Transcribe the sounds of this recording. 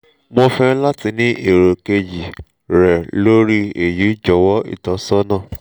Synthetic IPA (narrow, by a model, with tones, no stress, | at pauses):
mõ˧fɛ˦la˦ti˧nĩ˦ʔe˨ɾo˨ke˧d͡ʒi˨ | ɾɛ˨lo˦ɾi˦e˨ju˨˦d͡ʒɔ˨˦wɔ˦ḭ˦˨tɔ˨˦sɔ˦nã˦˨